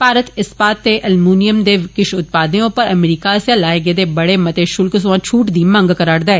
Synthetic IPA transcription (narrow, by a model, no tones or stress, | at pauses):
paːɾət̪ɪspaːt̪ːeʔɐlmuːnijəmd̪eːkɪʃʊt̪̚paːd̪ejõpɐɾɐmɾiːkasẽlaːɪɡed̪eːbɐɽemɐt̪eʃʊlks̬ʋãːt͡ʃʰuːʈd̪iːmɐ̃ŋɡkɐɾaːɽd̪aɛː